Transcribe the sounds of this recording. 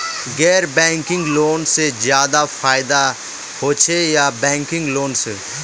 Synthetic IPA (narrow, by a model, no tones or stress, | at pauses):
ɡɛːɾbɛ̃ːŋkɪ̃ŋɡloːnsezjaːd̪afaːɪd̪a | hoːt͡ʃʰejabɛ̃ːŋkɪ̃ŋɡloːnse